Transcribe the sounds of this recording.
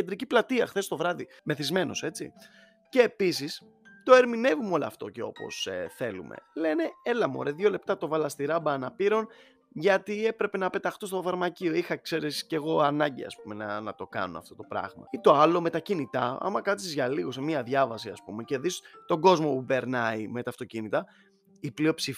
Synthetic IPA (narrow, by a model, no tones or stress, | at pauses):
ed̪ɾiciplɐt̪iɐ̰xθe̞st̪o̞vɾɐðime̞θizme̞no̞̰se̞t͡sḭ | ce̞ːpis̬is | t̪o̞e̞ɾmine̞vumo̞lɐɐft̪o̞̰ce̞o̞po̞̰sḛθe̞lumḛle̞ne̞elɐmo̞̰ɾeðʝo̞le̞pt̪ɐt̪o̞vɐlɐst̪iɾɐbɐːnɐpiɾo̞n | ʝɐt̪ie̞pɾe̞pe̞nɐpe̞t̪ɐxt̪ost̪ofɐɾmɐcio̞ixɐkse̞ɾesce̞ɣo̞ɐnɐɲɟiɐ̰spume̞nɐnɐt̪o̞kɐ̰nunɐ̰ft̪o̞t̪o̞pɾɐ̰ɣmɐ̰it̪o̞ɐlo̞me̞t̪ɐcinit̪ɐɐ̰mɐkɐt̪sizʝɐliɣo̞semiɐðʝɐvɐsiɐ̰spṵme̞ce̞ðist̪o̞ɡo̞zmo̞pupe̞ɾnɐimet̪ɐft̪o̞cinit̪ɐ | iplio̞psi